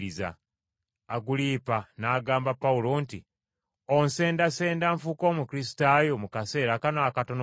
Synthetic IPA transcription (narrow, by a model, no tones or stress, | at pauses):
iza̰ː | ɡuliːpanaːɡaːmbapːaulo̞ːnti | onse̞ːndase̞ːndaɱfukoːmukiɾisi̥tajo̞mukase̞ːɾakanoakato̞n